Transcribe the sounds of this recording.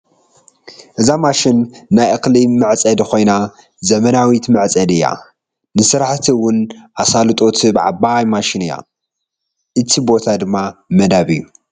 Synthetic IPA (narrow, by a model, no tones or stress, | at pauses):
ʔɨzamaʃinːajʔɨklimɨʕt͡sʼɐd̪kʰo̞jna | zɐmɐnawit̪mɨʕt͡sʼɐd̪ɨjːa̰ | nɨsɨɾaħt̪ʰiwʊnʔasalɨt̪ʼo̞t̪ʰibɨʕa̰bajmaʃinɨjːa̰ | ʔɨt̪ʰibo̞t̪ʰad̪ɨmːamɐd̪aβɨjːu